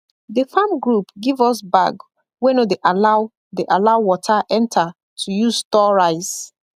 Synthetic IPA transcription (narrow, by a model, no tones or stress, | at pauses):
ðəfãmɡɹupɡivɔsba̰ɡ | wenodeʔalaʊ | deʔalaʊwɔtʰaʔɛ̃ntʰa | tʰujuzstɔɹaɪs